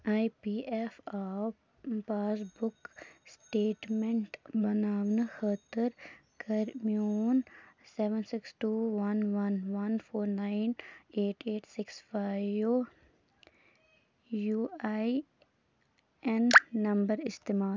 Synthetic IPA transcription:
aːipiːɛfaː | paːsbʊksʈeːʈmẽɳʈbɐnaːʋnəxət̪əɾkɐɾmioːnsɛːʋə̃nsɪksʈuːʋɐnʋɐnʋɐnfʰoːɾnãːɪneːʈeːʈsɪksfaːɪʋo | juːaːi | ɛnːɐ̃mbəɾɪst̪eːmaː

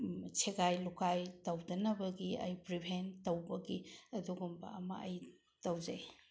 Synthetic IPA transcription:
t͡ʃʰeɡajlukajtɐwdɐnɐbɐɡiɐ̰jpɾibʱentɐwbɐɡiɐduɡumbɐ̰ɐmɐ̰ɐj | tɐwzej

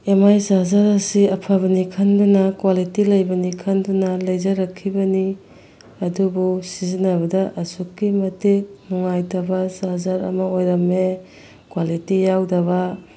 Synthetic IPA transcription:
emajsazaɾɐsiɐpʰaβɐnikʰɐndunɐkwalitilɐjbɐnikʰɐndunɐlɐjzɐɾɐkʰːibɐni | ɐdubusizinɐbɐdɐʔɐsukːimɐtik̚nuŋajtɐbɐsazaɾɐ̰mɐojɾɐme | kwalitijawdɐβɐ

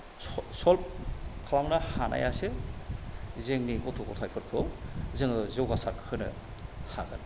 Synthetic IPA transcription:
sɔlp̚kʰlawnɐhana̰jasɯ | zeŋniɡɔtʰokɔtʰajpʰɯɾpʰɯwzɯŋɯzɯwɡasakhɯnɯ̰ | haɡɯ̰n

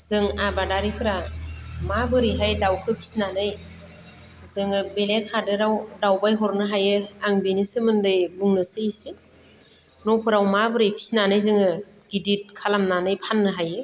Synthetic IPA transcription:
z̥ɯŋabadaɾipʰɯɾamabɯɾiɦajdawkʰɯpʰi̥snanɯj | zɯŋɯbelekʰhadɯɾawdawbajɦɔɾnɯɦajɯaŋbinisɯmɯndɯjbuŋnɯsɯsɯ | nɔwpʰɯɾawmabɯɾɯjpʰi̥snanɯjzɯŋɯ | ɡ̥idit̚kʰalamnanɯjpʰanːɯɦajɯ

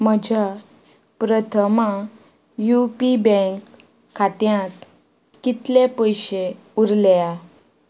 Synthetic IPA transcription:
məd͡ʑʱa | pɾət̪ʰəma | jupibɛ̃ŋkʰː | at̪jãt̪ | kit̪lepəjɕe | uɾla

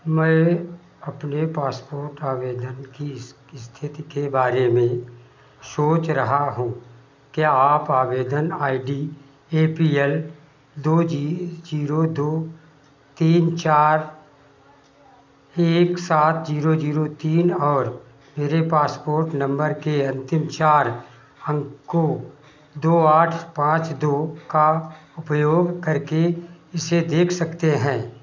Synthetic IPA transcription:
mɛ̃ː | ɐpnepaːspoːɾʈaːʋeːd̪ənki | ɪst̪ʰɪt̪ikebaːɾemẽ | soːt͡ʃɾɐɦaɦũː | keaːpaːʋeːd̪ənaːiɖiː | eːpiːɛl | d̪oːd͡ʒiːɾod̪oː | t̪iːnt͡ʃaːɾ | eːksaːt̪ʰd͡ʒiːɾod͡ʒiːɾot̪iːnɔːɾ | meːɾepaːspoːɾʈnɐ̃mbəɾkeɐ̃nt̪ɪmt͡ʃaːɾ | ə̃ŋko | d̪oːaːʈʰpãːt͡ʃd̪oːkaʊpjoːɡkɐɾkeɪsed̪eːkʰsɐkt̪eɦɛ̃ː

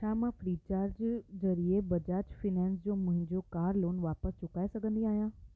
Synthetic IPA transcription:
ʃʰaːmãfɾiːt͡ɕaːɾd͡ʑzɐɾiebɐd͡ʑaːɾt͡ʃfʰiːnɛːnsd͡ʑoːmʊ̃ɦɪ̃ɲd͡ʑokaːɾloːnʋaːpəst͡ɕʊkaːesɐɡʱə̃nd̪iaːɦijãː

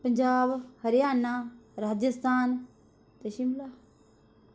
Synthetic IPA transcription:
pəɲd͡ʒaːbhəɾjaːnaːɾaːd͡ʒəst̪ʰaːn | t̪əʃimlaː

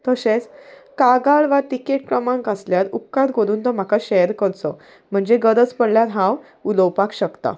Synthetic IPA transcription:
t̪əɕet͡skaɡaɭʋaʈ̪ikeʈ̚kɾəmãŋkasljat̪ukːat̪ɡʱoɾuːnt̪əm̤akaɕeɾkəɾt͡sɔ | m̤əɳd͡zeɡəd̪ət͡spəɽljat̪ɦãw | uləwpakɕəkt̪a̰

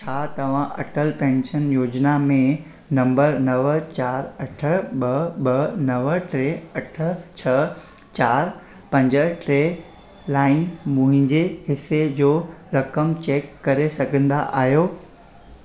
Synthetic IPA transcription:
t͡ɕʰaːt̪ɐʋ̤ãʔɐ̰ʈəlpɛ̃ːnʃənjoːd͡ʑnamẽ | nɐ̃mbəɾnɐʋt͡ɕaːɾɐʈʰə̆ɓɐɓɐnɐʋəʈɾeːɐʈʰə̆t͡ɕʰɐ | t͡ɕaːɾ | pɐ̃ɲd͡ʑə̆ʈɾeː | laːɪ̃nmʊ̃ɦɪ̃ɲd͡ʑeɦɪsed͡ʑoːɾɐkəmt͡ɕeːkːɐɾesɐɡʱə̃nd̪a̰ʔa̰ːɦjoː

